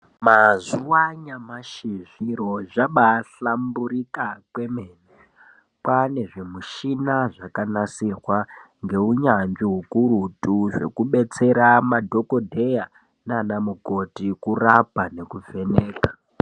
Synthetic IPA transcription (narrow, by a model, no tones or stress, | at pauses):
mazuwaɲamaʃiʐiɾo̞ʐaɓaɬamburikakwe̞mend͡ze | pwane̞ʐe̞muʃinaʐakanasirwa | ŋɡe̞uɲand͡ʒiɦukuɾutuʐe̞̰kuɓe̞t͡se̞ɾamadʱo̞ko̞dʱe̞ja | nanamuko̞tikurapane̞kuve̞ne̞ːka